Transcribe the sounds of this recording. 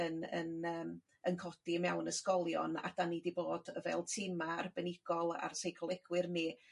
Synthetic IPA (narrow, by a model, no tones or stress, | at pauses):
ənə̰nəːm | ənkʰɔd̥imɛwnəskɔlˠjɔ̰na̰d̥anidiboːdəvɛ̰ːlˠtʰɪmarbənɪɡ̥ɔlˠa̰rsejkʰlˠɛɡ̥wɪrni